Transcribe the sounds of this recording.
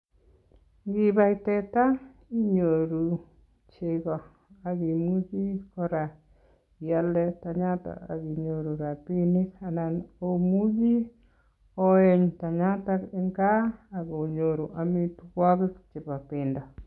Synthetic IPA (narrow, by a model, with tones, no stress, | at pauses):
ŋɡi˦ba˦jtɛ˦ta˦ | i˦ɲo˨ɾu˨ | t͡ʃe˨ɡɔ˨ | a˨ɡi˨mu˦d͡ʒi˦kɔ˦ɾa˨ | ja˦lɛ˦ta˨ɲa˦ta̰˨a̰˨ɣi˨ɲo˨ɾu˨ɾa˨pi˦ni˦sa˨na˨no˦mu˦d͡ʒi˦ | ɔ˦ɛ˨ɲta˨ɲa˦ta˦kɪ˦ŋɡa˦a˨ɡɔ˨ɲo˨ɾu˨ʔa˨mi˦tu˧kɔ˦ɡɪ˦kt͡ʃɪ˨pa˨pɪ˨ndɔ˨